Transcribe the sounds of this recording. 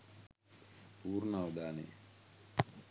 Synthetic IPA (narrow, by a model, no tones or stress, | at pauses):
puːɾnawd̪aːnḛ